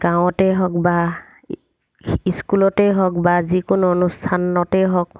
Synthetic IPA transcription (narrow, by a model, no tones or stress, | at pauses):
ɡ̥aw̃ɔtɛɦɔkba | iskulɔtɛɦɔk̚bazikʊnuɔnustʰanɔtɛɦɔk